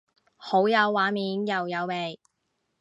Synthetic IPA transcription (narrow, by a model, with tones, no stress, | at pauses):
ho˨˥wjɐ˨˧wːaː˨˥miː˨˧˥njɐ˨wjɐ˨˧wme˨˩j